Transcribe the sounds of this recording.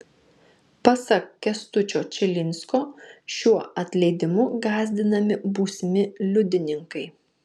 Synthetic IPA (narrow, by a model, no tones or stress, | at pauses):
pɐsɐkkʲɛst̪ʊt͡ʃʲoːt͡ʃʲɪlʲɪnʲskoːʃʲuɔɐt̪ʲlʲɛɪd̪ʲɪmʊɡɑːzʲd̪ʲɪnɐmʲɪbuːsʲɪmʲɪlʲʊd̪ʲɪnʲɪŋkɐɪ